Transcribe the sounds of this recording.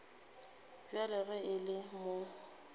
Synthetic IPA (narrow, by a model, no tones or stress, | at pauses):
bjalɪɣɛɪlɪmo